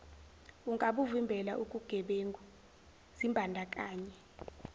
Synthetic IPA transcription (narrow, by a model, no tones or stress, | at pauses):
uŋʼaɓuvimbʱɛlaʔukʼuɡ̥ʱɛɓeŋʼu | z̥imbʱandʱakʼaːɲɛ